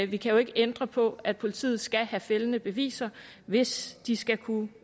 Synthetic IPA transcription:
ʋikʰæjo̝e̝ɡ̥əend̥ʁɐpʰɒ̽æd̥̚pʰo̝lit͡sʰḭːð̩ˠsɡ̥æhæfelənəb̥e̝ʋḭːsɐ | ʋe̝sd̥isɡ̥ækʰu

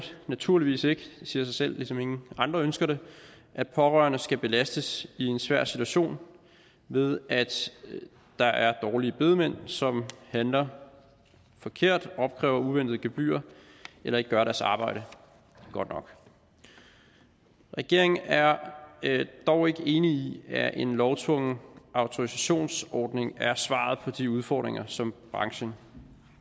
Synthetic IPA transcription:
næt͡sʰuɐliʋḭːse̝ɡ̥ə̥siːɐsɑ̈ɪsel̰lisɒ̽me̝ŋn̩ɑ̈nd̥ʁɐønsɡ̥ɐɾ̥e̝ | ʔæd̥̚pʰɒ̽ʁɶ̰ːɐnəsɡ̥æb̥e̝læsd̥əsie̝nsʋæɐ̰si̥t͡sʰuæɕo̝̰ːn | ʋe̝ð̞ˠæd̥ | d̥ɑ̈ʔæɐd̥ɒːliəb̥e̝ð̞ˠmen̰sɒ̽mhænlɐ | fɒ̽kʰe̝ɐ̰d̥ɒ̽b̥̚kʰʁɛ̰ːʊɐuʋen̰d̥ð̞̩ˠɡ̥eb̥y̰ːɐ | elɐe̝ɡ̥ə̥ɡɶɐɾæɐsɑ̈ːb̥ɑ̈ɪ̰ɾ̥ə | ɡ̥ɒ̽d̥nɒ̽ɡ̥ | ʁɛɡ̥e̝ɐ̰e̝ŋæɐ | d̥ɒʊ̰e̝ɡ̥əe̝ːniiæʔe̝nlɒʊt͡sʰʋɔ̽ŋ̰ɑ̈ʊt͡sʰoʁisæɕo̝̰ːnsɒːd̥ne̝ŋæɐsʋɑ̰̈ːð̞̩ˠpʰɒ̽d̥iuð̞ˠfɒ̰ːd̥ʁeŋɐsɒ̽mb̥ʁɑ̈ŋɕən

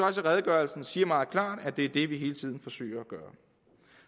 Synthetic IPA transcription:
ɒ̽s̬əʁɛðˠəɡ̥ɶɐlsn̩siːɐmɑ̈ːð̞̩ˠkʰlɑ̰̈ːd̥æd̥e̝æɐd̥e̝ʋiɦe̝ːlət͡sʰið̰ˠn̩fɒ̽sø̰ːɐæɡ̥ɶːɐ

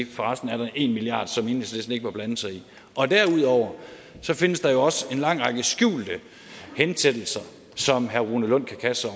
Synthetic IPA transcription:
fɒʁɑ̈sd̥n̩æɐɾ̥ɑ̈ʔe̝nmiliɑ̰̈ːd̥sɒ̽me̝ːnislesn̩e̝ɡ̥əmɒb̥lænð̩ˠsɑ̈ɪi | ʔɒ̽d̥æɐ̰uð̞̰ˠɒʊ̰ɐ | sɒ̽fe̝nəsd̥ɑ̈jo̝ɒ̽se̝nlɑ̈ŋ̰ʁɑ̈ɡ̥əsɡ̥jṵːld̥ə | hensed̥l̩sɐ | sɒ̽mɦæɐʁuːnəlɔ̽n̰kʰækʰæsəɒ

